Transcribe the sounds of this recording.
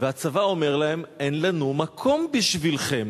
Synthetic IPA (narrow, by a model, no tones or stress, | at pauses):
veat͡savao̞me̞ʁlae̞me̞nlanumakʰo̞mbiʃvilχe̞m